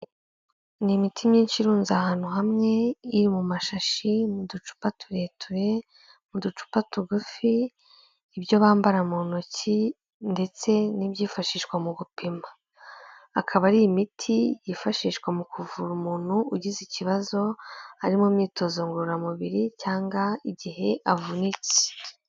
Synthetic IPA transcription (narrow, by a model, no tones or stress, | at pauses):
nimitʰimɲiːnʃiɾuːnzahaːn̥huɦamŋe̞iɾimumaʃaʃimudut͡ʃu̥patʰuɾe̞tʰuɾe̞ | mudut͡ʃu̥patuɡufiː | bjo̞βaːmbaɾamonoci | nde̞t͡se̞nibjiːfaʃiːʃkwamuɡupʰimaː | kʰaβaɾiimitʰijifaʃiːʃkwamukʰuvuɾumuːn̥huuɟiziciβazo̞aɾimumiːto̞zoŋɡuɾamuβiɾicaːŋɡaiɟiɦe̞ʔavunit͡se̥